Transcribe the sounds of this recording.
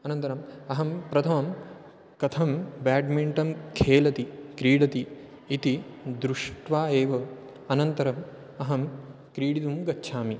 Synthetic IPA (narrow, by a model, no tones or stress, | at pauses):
ɐnɐnt̪ɐɾɐmɐɦɐmpɾɐt̪ʰɐmɐm | kɐt̪ʰɐmbaːɖmiɳʈɐmkʰeːlɐt̪ikɾiːɽɐt̪iː | t̪id̪ɾuʂʈʋaːeːʋɐ | ɐnɐnt̪ɐɾɐm | ɐɦɐm | kɾiːɽit̪umɡɐtːʃʰaːmi